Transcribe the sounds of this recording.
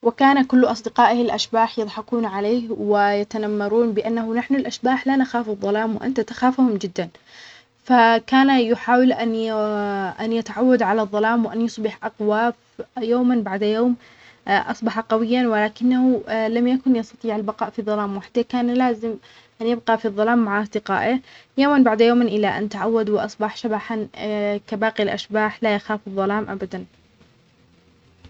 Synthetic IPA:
wɪkaːnakʊlːʔɑsˤd̪ɪqɑːʔhɪlʔaʃbaːħjɨðˤħɑquːnʕaleːhwɪjat̪anamːɑɾˤuːnbɪʔanːahʊnaħnʊlʔaʃbaːħlanaxaːfɨðˤːɑlaːmwɪʔa̰nt̪at̪ḁxaːfhʊmd͡ʒɪd̪ːan | fakaːnajʊħaːwɪlʔan | ʔanjɪt̪aʕawːad̪ʕalaðˤːɑlaːmwɪʔanjʊsˤbɪħʔɑqwaːf | joːmanbaʕd̪joːm | ʔɑsˤbɑħɑqɑwɪjːanwɪlaːkɪnːahulamjakʊnjɑst̪ɑt̪ˤiːʕalbɑqɑːʔfiðˤːɑlaːmwaħḁt̪akaːnlaːzɪm | ʔanjɪb̚qɑfiðˤːɑlaːmːaʕʔɑsˤd̪ɪqɑ̰ːʔɪjoːmanbaʕd̪joːmɪnʔɪlːaʔa̰nt̪aʕawːad̪wɪʔɑsˤbɑħʃabaħankabaːqilʔa̰ʃbaːħlajaxaːfɨðˤːɑlaːmʔabad̪an

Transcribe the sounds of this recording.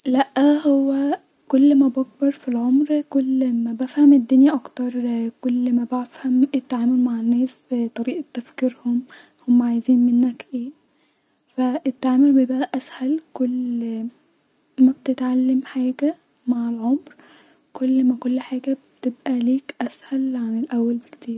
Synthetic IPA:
læʔhowːæ | kolːmæbɑɡ̚bɑɾˤfilʕomɾkolːmæbæfhæmed̪ːonjæʔɑkt̪ɑɾˤkolːmæbæfhæmet̪ːaʕaːmolmaʕenːæːst̪ˤɑɾiːʔt̪ːæfkiːɾhom | homːæʕajziːnmenːækʔeː | fæʔet̪ːaʕaːmolbejebʔæʔæshælkolː | mæbet̪et̪ʕalːemħaːɡæ | maʕelʕomɾ | kolːmækolːħaːɡæbet̪ebʔæliːkʔæshælʕanelʔæwːælbekt̪iːɾ

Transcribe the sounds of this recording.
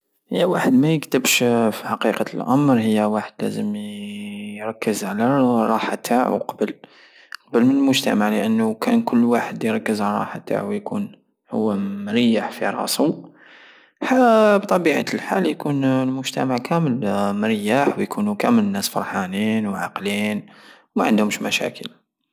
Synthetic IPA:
həjːæwaħəd̪mæjəkt̪əbʃfiħɑqiqɑlʔɑmɾˤhəjːæwaħəd̪læ̰zəm | ɾˤɑkːəzʕalaɾˤɑħat̪ʰa̰ʕ̰qɑbəl | qɑbəlmənəlmʊʒt̪æ̰maʕləʔənːukænkʊlːwaħəd̪jɾˤɑkːəzʕlɾˤɑ̰ħat̪ːa̰ʕwjkṵn | hʊwːmɾijːaħfḭɾˤɑ̰su | ħabt̪ˤɑbiʕa̰lħaljkunlmʊʒt̪æmaʕkʰæməlməɾjːaħwjkʰunukæmələnːæsfɑ̰ɾˤħɑninwʕɑqliːnwmæʕənd̪hʊmʃmæʃæ̰kʰəl

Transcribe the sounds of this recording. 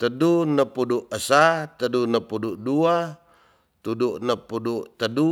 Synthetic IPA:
t̪ədunəpuduʔəsat̪ədunəpuduʔdua | t̪uduʔnəpuduʔt̪ədu

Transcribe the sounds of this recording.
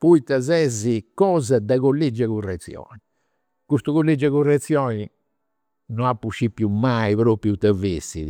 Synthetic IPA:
puit̪ːɛzɛzikɔːzɛd̪ɛɣolːid͡ʒːɛɣurːɛt̪sːjɔ̰ːni | kust̪uɣolːid͡ʒɛɣurɛt̪sːjɔːni | nɔapːuʃːipːjumːaipɾoːpɾjut̪ɛvesḭð

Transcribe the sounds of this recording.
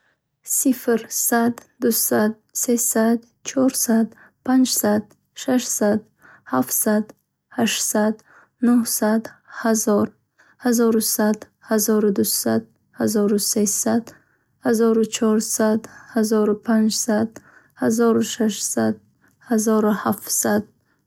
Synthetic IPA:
sifɾsad̪ːusad̪̚sesad̪ | t͡ʃʰɔɾsad̪ | pʰand͡ʒsad̪ | ʃaʃsad̪ | haft̪sad̪ | haʃsad̪ | nuhsad̪hazɔɾ | hazɔɾusad̪ | hazɔɾud̪usad̪̚ | hazɔɾusesad̪ | hazɔɾut͡ʃʰɔɾsad̪hazɔɾupʰand͡ʒsad̪ | hazɔɾuʃaʃsad̪̚ | hazɔɾuhaft̪sad̪̚

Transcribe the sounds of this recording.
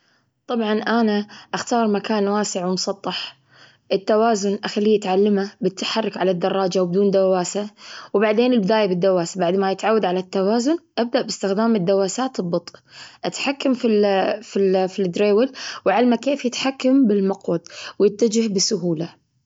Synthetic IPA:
t̪ˤɑbʕɑnʔanaʔaxt̪ɑːɾˤmakaːnwaːsɪʕwɪmʊsˤɑt̪ˤːɑħ | ʔɪt̪ːawaːzʊnʔaxalːiːat̪ʕalːɪmabɪt̪ːḁħɑrˤːɪkʕalad̪ːɑrˤːɑːd͡ʒawbɪd̪uːnd̪awaːsawbaʕd̪eːnɪlbɪd̪aːjabɪd̪ːawaːsabaʕd̪majɪt̪ʕawːad̪ʕalat̪ːawaːzʊnʔab̚d̪aʔbɪst̪ɪxd̪aːmɪd̪ːawaːsaːt̪ɪlbɨt̪ˤʔʔat̪ħakːamfififid̪ɾeːwɪlwʕalmakeːfjɪt̪ħakːambɪlmʊqwɑd̪ˤwjɪt̪ːad͡ʒɪhbɪsʊɦuːla

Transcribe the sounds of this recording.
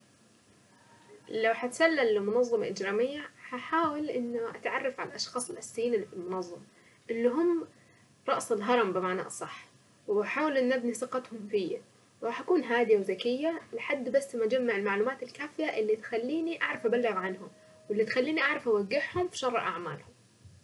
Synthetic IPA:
lawħat̪salːalːɪmʊnɑðˤːɑmaʔɪd͡ʒɾaːmɪjːahaħaːwalʔɪnːʊʔat̪ʕɑrˤːɑfʕalalʔɑʃxɑːsˤɪlʔasːiːnilfɪlmʊnɑðˤːɑm | ʔɪlːiɦʊmː | ɾˤɑʔsɪlɦɑɾˤɑmbɪmaʕna̰ʔsˤɑħː | waħaːwalʔɪnːʔabnisɨqɑt̪hʊmfɪjːa | ɾˤɑːħʔakuːnɦaːd̪ɪjawzakɪjːalɪħad̪ːbasːmad͡ʒamːaʕɪlmaʕluːmaːt̪ɪlkaːfɪjaʔɪlːit̪xalːiːniʔaʕɾˤɑfʔabalːɪɣʕanhʊm | wɪlːit̪xalːiːniʔaʕɾˤɑfʔawaɡːɪħhʊmfi̥ʃɑrˤːʔa̰ʕmaːlhʊm

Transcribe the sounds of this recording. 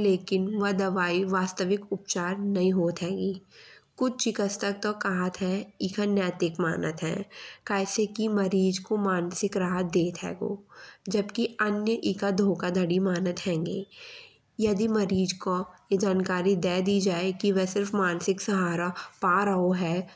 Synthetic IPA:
leːkɪnʋɐd̪ɐʋaːiʋaːst̪əʋɪkʊp̚t͡ʃaːɾnɐɦĩɦoːt̪ɦɛ̃ːɡiːkʊt͡ʃt͡ʃɪkəst̪ɐk̚t̪okaɦət̪ɦɛ̃ikʰanjɛːt̪ɪkmaːnət̪ɦɛ̰̃ːkaːɪsekimɐɾiːd͡ʒkomaːnsɪkɾaːɦət̪̚d̪eːt̪ɦɛ̰ːɡo̰ːd͡ʒɐbkiɐnjəʔikad̪ʱoːkad̪ʱɐɽimaːnət̪ɦɛ̃ːŋɡḛː | jɐd̪imɐɾiːd͡ʒkojed͡ʒaːnkaːɾid̪ɛːd̪iːd͡ʒaːekiʋɛsɪɾfmaːnsɪksɐɦaːɾapaːɾəɦoɦɛː

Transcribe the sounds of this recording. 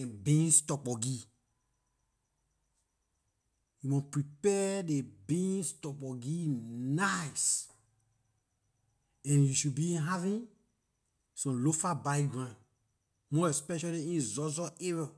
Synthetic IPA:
ɛ̃bĩnstɔk͡pɔɡi | jumɔ̃pɹipɛdebĩnstɔk͡pɔɡinajs | ɛ̃njuʃubĩɦavĩn | sɔ̃mlofabaɡɹã | mɔɛspɛʃaliĩnzɔzɔʔevɛ

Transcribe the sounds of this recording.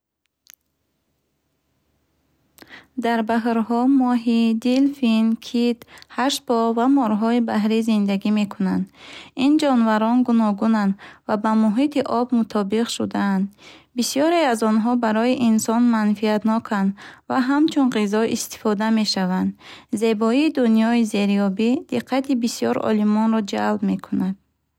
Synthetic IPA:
d̪aɾbaɦɾhɔmɔɦid̪ilfinkʰit̪haʃpɔvamɔɾɦɔibaɦɾizind̪aɡime̞kʰunand̪ind͡ʒɔnvaɾɔnɡunɔɡunand̪vabamuɦit̪iʔɔbmut̪ʰɔbiqʃud̪aːnd̪bisijɔɾeazɔnɦɔbaɾɔiʔinsɔnmanfiat̪nɔkʰand̪vaɦamt͡ʃʰunʁizɔʔḭst̪i̥fɔd̪ame̞ʃavand̪ze̞bɔiːd̪unjɔize̞ɾijɔbid̪̥iqʰːat̪ʰibisijɔɾɔ̰limɔnɾɔd͡ʒa̰lbme̞kʰunad̪̥̚

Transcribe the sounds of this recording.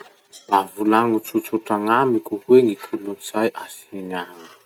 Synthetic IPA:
b̥avulaŋut͡sut͡suʈ͡ʂaŋamikʲuɦweŋit̪ʰuluniz̥ajʔasenanə̥

